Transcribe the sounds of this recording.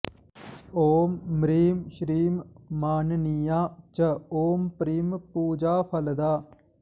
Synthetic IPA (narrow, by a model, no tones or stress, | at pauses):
oːmːɾiːmʃɾiːmːaːnnijaːt͡ʃəoːmpɾiːmpuːd͡ʒaːpʰəld̪aː